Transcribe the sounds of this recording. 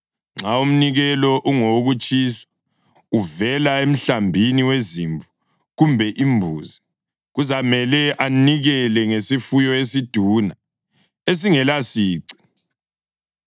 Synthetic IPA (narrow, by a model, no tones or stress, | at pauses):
ŋ͡ǁʱaum̩niɣɛlɔʔuŋoɣut͡ʃʼiːsḁ | uvɛlaem̩ɬambʱiniwezimbu | ɣumbʱɛʔimbʱṵːzi | ɣuzamɛlɛʔaniɣɛlɛŋesifujɔesid̥ʱuna | es̬iŋɛlasiːǀi̥